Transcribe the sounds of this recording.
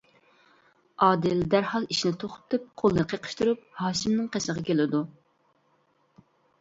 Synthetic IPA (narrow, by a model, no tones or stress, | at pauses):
ɑːd̪ɪld̪æɾhɑlˠiʃnɪt̪ʰoχʊ̥t̪ʰɨp̚qʰolˠnɨqʰeqʰə̥ʃt̪uɾup̚hɑːʃɪmnɪŋqʰesəʁɑkʲʰelɪd̪u